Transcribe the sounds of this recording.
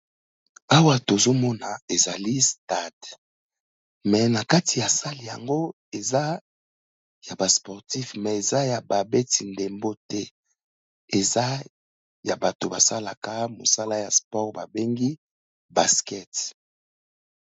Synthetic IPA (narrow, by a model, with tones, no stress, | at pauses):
a˦wa˨to˨zo˦mɔ˦na˨e˨za˨li˦sta˦˨d | mɛ˨na˨ka˦ti˨ja˨sa˦li˨ja̰˨ŋɡo˦ | e˨za˦ | ja˨ba˨spɔ˨ʁti˦fmɛ˨e˨za˦ja˨ba˨be˦ti˨nde˨mbo˦tɛ˦ | e˨za˦ | ja˨ba˨to˨ba˨sa˦la˨ka˦mo̰˨sa˦la˦ja˨spɔ˦ʁba̰˨be˦ŋɡi˦ | ba˨skɛ˦t